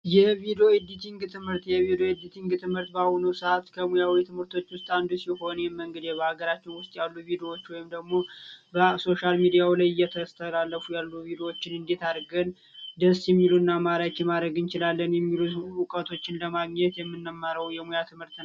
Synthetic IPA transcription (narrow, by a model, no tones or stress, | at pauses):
jɛvid̪eoɪd̪it̪ʰiŋɡt̪ʰɨmhɨɾt̪jɛvid̪eoɛd̪it̪ʰiŋɡt̪ʰɨmhɨɾt̪bawunəwsəatt̪kʰəmujawit̪ʰɨmhɨɾt̪ʰo̞t͡ʃːwʊst̪ʼand̪usiho̞njɛməŋɡəd̪jɛbəhaɡəɾat͡ʃːɪnwʊst̪ʼjalːuvid̪ewo̞t͡ʃːwɔjɪmd̪əɡmo̞bəso̞ʃalmid̪ijawulajɨjɛt̪ʰəst̪ʰəlalːəfujalːuvid̪ewot͡ʃːɪnɨnd̪et̪ʰaɾɡən | d̪əsjɛmːilunːamad̪ɾakːɛmad̪ɾəɡɨnt͡ʃɪlalːənjɛmːiluukʼət̪ʰo̞t͡ʃːɪnləmaɡɲɛt̪jɛmːɨnːəmːəɾəwjɛmujat̪ʰɨmhɨɾt̪n